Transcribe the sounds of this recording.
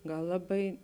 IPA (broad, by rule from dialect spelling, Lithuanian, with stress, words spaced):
ˈɡɐlˠ ˈlˠɑːˌbɐɪ